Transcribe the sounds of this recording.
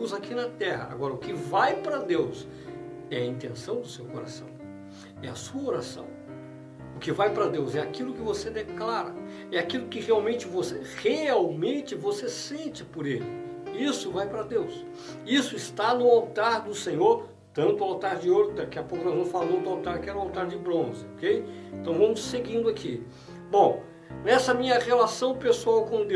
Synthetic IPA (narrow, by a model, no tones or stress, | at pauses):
zakinɐt̪ɛɦɐ̰a̰ɡɔɾɐʊkɪvajpɾɐd̪ews | ɛɐĩnt̪ẽsɐ̃w̃d̪ʊsewkoɾa̰sɐ̰̃w̃ | ɛɐ̰suɐoɾasɐ̰̃w̃ | ʊkɪvajpɾɐd̪ewzɛakilʊkɪvosed̪eklaɾɐ | ɛakilʊkɪheawmẽnt͡ʃɪvoseheawmẽnt͡ʃɪvosesẽnt͡ʃɪpoɾelɪ | isʊvajpɾɐd̪ews | isʊɪst̪anʊawt̪aɾd̪ʊsẽɲoɾ | t̪ɐ̃nt̪ʊawt̪aɾd͡ʒɪoɾʊd̪akiɐpokʊnazɐ̃w̃falowd̪ʊawt̪aɾkɪɛɾʊawt̪aɾd͡ʒɪbɾõzɪokejẽnt̪ɐ̃w̃vɐ̃mʊsseɡĩnd̪ʊakʰi | bõ | nɛsɐmĩɲɐʁelasɐ̃w̃pesuawkõd̪e